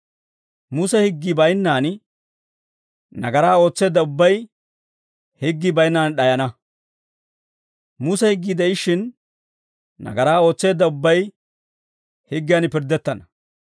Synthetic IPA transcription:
musɛhɪɡːɪbɐjnːaːn | nɐ̰ɡɐɾaːo̞ːt͡sːe̞ːd̪ːɐʊbːɐj | hɪɡːɪbɐjnːaːnɗɐjɐnɐ | musɛhɪɡːid̪ɛɪʃɪn | nɐ̰ɡɐɾaːo̞ːt͡sːe̞ːd̪ːɐʊbːɐj | hɪɡːɪjaːnpɪɾd̪ɛt̪ːɐnɐ̥

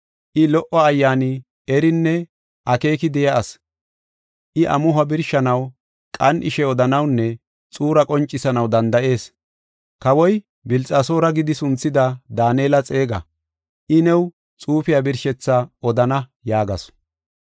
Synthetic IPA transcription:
ʔɪlɔʔɔɐjːaːnɪ | ɛɾɪnːɛ | ʔɐke̞ːkɪd̪ɛjɐʔːs | ʔɪʔɐ̰mʊɦɐbɪɾʃɐnɐw | kʼɐnʔɪʃɛɔd̪ɐnɐwnːɛ | t͡sʼuːɾɐkʼɔnt͡ʃʼːɪsɐnɐwd̪ɐnd̪ɐʔe̞ːs | kɐwɔj | bɪlt͡sʼaːso̞ːɾɐɡɪd̪ɪsʊnt͡sːɪd̪ɐd̪aːneːlɐt͡sʼe̞ːɡɐ̰ | ʔɪnɛw | t͡sʼuːfɪjabɪɾʃɛt͡sːaɔd̪ɐnɐjaːɡɐs

